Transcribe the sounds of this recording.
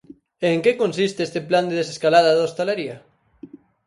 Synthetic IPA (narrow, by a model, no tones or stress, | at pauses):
eːŋkekonsist̪eest̪epland̪eðeseskalaðaðost̪alaɾia